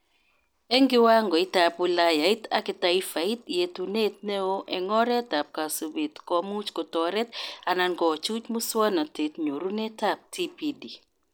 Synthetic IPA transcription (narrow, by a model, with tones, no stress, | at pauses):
ɛ˦ŋɡɪ˦wa˦ŋɡɔ˨ɪ˦ta˨pu˨la˦ja˨i˦ta̰˦kɪ˨ta˦i˦fa˨i˦t̪je˨tu˨ne˦t̪̚ne˦o˦ʔɛ˨ŋɔ˦ɾɛ˦ta˨p̚ka˨so˨be˨t̪kɔ˦mu˦t͡ʃko˨tɔ˨ɾɛ˦t̪a˨na˨nɡɔ˨t͡ʃu˦t͡ʃmu˦swa˦na˨te˨t̪ɲo˨ɾu˦nɛ˦ta˦p̚ti˦pi˨di˨